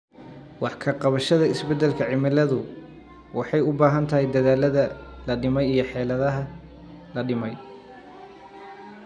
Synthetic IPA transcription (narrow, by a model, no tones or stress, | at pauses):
wɑħkʰɐqɑβɐʃɐðɐɪsbɛd̪ːɛlkʰɐʕɪmɪlɐðʊ | wɑħɑjʊbaːɦɐnt̪ʰɐɦɛjd̪ɐðaːlɐðɐlɐɖɪmɛjijɞħɛːlɐðɐɦɐ | lɐɖɪmɛj